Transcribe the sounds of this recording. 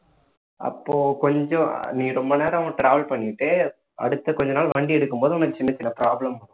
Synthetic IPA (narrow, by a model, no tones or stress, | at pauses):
ʔɐ̰pːoːkɔɲd͡ʒɔ̃nĩːɾɔmbɐneːɾɐʋɐ̃ːʈɾaːʋɐlpɐɳːɪʈːeː | ʔɐ̰ɽɯt̪ːɐkɔɲd͡ʒɐnaːlʋɐɳɖiɛɽɯkːɯmpoːðɯʊnɐkːɯt͡ʃɪnːɐt͡ʃːɪnːɐpɾaːblɐmɐɽɯ̃